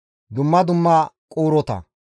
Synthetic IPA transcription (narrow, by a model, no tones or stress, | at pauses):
d̪ʊmːɐd̪ʊmːaːkʼoːɾɔt̪ɐ̰